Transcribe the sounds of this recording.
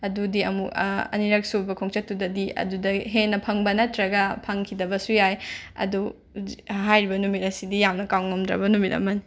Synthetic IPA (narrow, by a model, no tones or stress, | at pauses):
ɐdudiɐ̰mukɐ̰niɾɐk̚subɐkʰoŋt͡ʃɐtːudɐdiɐ̰dudɐɦenːɐpʰɐŋbɐnɐtɾɐɡɐpʰɐŋkʰidɐbɐsujajɐ̰du | ɦajɾibɐnumit̚ɐsidijamnɐkawŋɐmdɾɐ̰bɐnumit̚ɐ̰mɐni